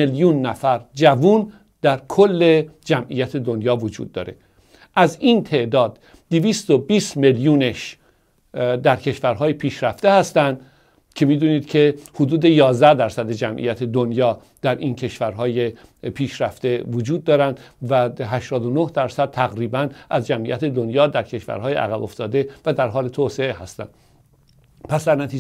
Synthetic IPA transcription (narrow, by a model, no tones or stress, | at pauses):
eljuːnːæfæɾd͡ʒævun | d̪̥æɾkʰolːed͡ʒæmʔḭjæt̪ʰe̞d̪onjɒːvod͡ʒṵːd̪̚ːɒ̰ːɾe̞̰ | ʔæziːnt̪ʰe̞ʔd̪ɒːd̪ː | eviːst̪obiːst̪meljuːneʃ | d̪æɾcʰe̞ʃvæɾɦɒːjepʰiːʃɾæft̪e̞hæst̪ænd̪ | cʰe̞miːd̪uːniːd̪cʰe̞hod̪uːd̪e̞jɒːzd̪æd̪æɾsæd̪ed͡ʒæmʔḭjæt̪ʰed̪onjɒː | d̪̥æɾʔiːncʰe̞ʃvæɾɦɒːje̞ | pʰiːʃɾæft̪e̞vod͡ʒuːd̪ːɒːɾænd̪væɦæʃt̪ɒːd̪onohd̪æɾsæd̪̚t̪ʰæɣɾiːbænʔæzd͡ʒæmʔḭjæt̪ʰe̞d̪onjɒːd̪æɾcʰe̞ʃvæ̰ɾɦɒːjḛʔæ̰ɣæbo̞ft̪ɒːd̪e̞væd̪æɾɦɒːlet̪ʰoːseeɦæst̪æ̰nd̪̥ | pʰæsd̪æɾnæt̪ʰiː